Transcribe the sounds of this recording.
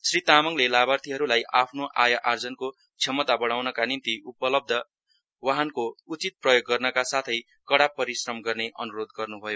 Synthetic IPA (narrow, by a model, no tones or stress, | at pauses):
srit̪amʌŋlelabart̪ʰiɦʌɾulajʔapʰnoʔajaʔard͡zʌnko | t͡sʰʌmːʌt̪abʌɽ̃awnʌkanint̪iupʌlʌb̚d̪ʱʌ | waɦʌnkout͡sit̪̚prʌjoɡːʌrnʌkasat̪ʰʌj | kʌɽapːʌɾisrʌmɡʌrneʔʌ̰nuɾod̪ɡʌrnubʱʌjo